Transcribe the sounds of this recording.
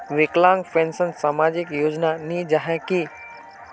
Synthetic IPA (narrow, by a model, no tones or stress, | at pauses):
ʋɪklãːŋɡfẽːnsənsaːmaːd͡ʑɪkjoːd͡ʒnanĩd͡ʒaɦɛki